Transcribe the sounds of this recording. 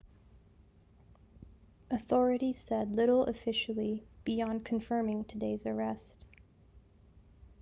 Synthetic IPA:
ʔɨθɔɹɨɾiz̥sɛdˡlɪɾl̩ˠə̰fɪʃl̩ˠib̥iɑ̃nkʰɱfɜ̃˞mɪ̃ŋtʰɨdeɪzə˞ɛst

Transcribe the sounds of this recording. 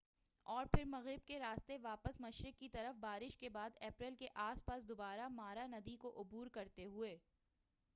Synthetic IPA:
ɔːɾpʰɪɾmɐɣɪb̚keɾaːst̪eʋaːpəsmɐʃɾɪkːit̪ɐɾəfbaːɾɪʃkebaːd̪ɛːpɾɪlkeʔaːspaːsd̪ʊbaːɾamaːɾanɐd̪ikoʔʊbuːɾkɐɾt̪eɦʊeː

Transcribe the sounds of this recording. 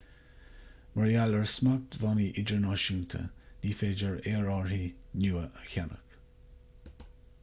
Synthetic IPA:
məɹjaləɹsmak̚d̪vɑniʔɪd͡ʒəɹnaʃunt̪ʰə̰niːfeːd͡ʒəɹeːɹɑːɹhiːnuːəʔəçanə̰k

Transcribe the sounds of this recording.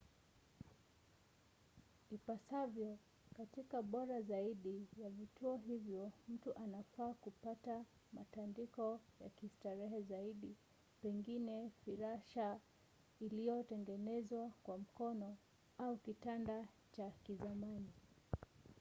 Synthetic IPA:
ipasavjɔ | katikaɓɔɾazaiɗijavituɔɦivjɔm̩tuʔanafaːkupata | matandikɔjakistaɾɛɦɛzaiɗi | pɛŋɡinɛfiɾaʃa | ilijɔtɛŋɡɛnɛzwakwam̩kɔnɔ | aukitanda | t͡ʃakizamani

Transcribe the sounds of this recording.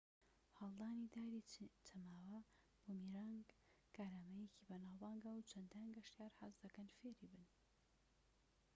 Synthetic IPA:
hɑlˠd̪aːnid̪aːɾit̪ʰɐmaːwɐ | b̥omiɾaŋɡ | kaːɾaːmɐjecibɐnaːwbaːŋɡawt͡ʃʰɐnd̪aːnɡɐʃt̪jaːɾha̰zd̪ɐkɐnfeːɾibɨn

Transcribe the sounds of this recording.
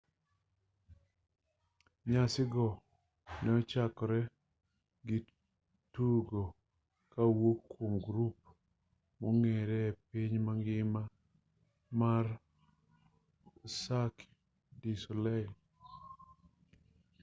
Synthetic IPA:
ɲasɪɡɔ | nɛɔt͡ʃakɔɾɛ | ɡɪ | tuɡo | kawokːwomɡɾup̚ | mɔŋɛɾɛpiɲmaŋɡɪma | mar | sak | disɔlɛ

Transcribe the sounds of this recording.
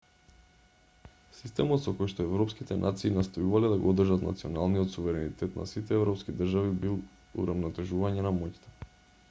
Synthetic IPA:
sist̪ɛmɔt̪sɔkojʃt̪ɔɛvɾɔpskit̪ɛnʔa̰t̪siːnast̪ojuvalɛd̪aɡoɔd̪r̩ʒat̪na̰t̪siɔnalˠnijɔt̪suvɛɾɛnit̪ɛt̪nʔa̰sit̪ɛɛvɾɔpskid̪r̩ʒavibilˠ | ṵɾavnɔt̪ɛʒuvaɲɛnamɔct̪ɛ̥

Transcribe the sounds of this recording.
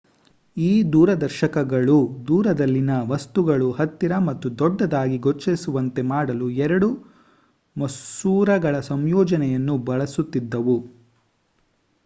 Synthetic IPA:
iːd̪uːɾɐd̪ɐɾʃɐkɐɡɐɭud̪uːɾɐd̪ɐlːinɐʋɐst̪uɡɐɭuhɐt̪ːiɾɐmɐt̪ːud̪ɔɖːɐd̪aːɡiɡot͡ʃːesuʋɐnt̪e̞maːɽɐluɛɾɐɽu | mɐssuːɾɐɡɐɭɐsɐmjɔːd͡ʒɐnɛjɐnːubɐɭɐsut̪ːid̪ːɐʋu

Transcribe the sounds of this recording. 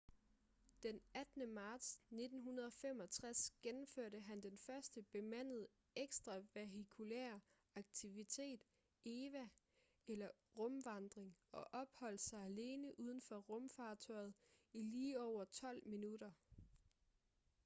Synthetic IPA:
d̥enæd̥nəmɑ̈ːd̥sne̝d̥n̩ɦunɐðˠɒ̽fem̰ɒ̽t͡sʰʁasɡ̥enm̩føɐ̰ɾəɦænd̥enfɶɐsd̥əb̥e̝mæn̰ð̞̩ˠ | eɡ̥sd̥ʁɑ̈ʋeɦikʰulæɐ̰ | ɑ̈ɡ̥̚t͡sʰiʋit͡sʰe̝̰ːd̥ | e̝ːʋæ | elɐ | ʁɔ̽mʋɑ̈nd̥ʁeŋɒ̽ʔɒ̽b̥hɒ̽l̰sɑ̈ɪæle̝ːnəʔuð̞ˠən̩fɒ̽ʁɔ̽mfɑ̈ːt͡sʰɒɪð̞̩ˠiliːɒʊ̰ɐt͡sʰɒ̽l̰minuɾɐ

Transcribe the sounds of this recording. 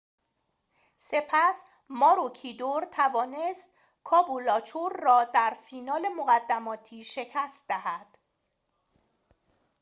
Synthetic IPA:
se̞pʰæs | mɒːɾocʰid̪oɾt̪ʰævɒːnest̪̚ | kʰɒːbulɒːt͡ʃʰoɾːɒːd̪æɾfiːnɒːle̞moɣæd̪ːæmɒːt̪ʰiːʃe̞cʰæst̪̚d̪æhæd̪̥

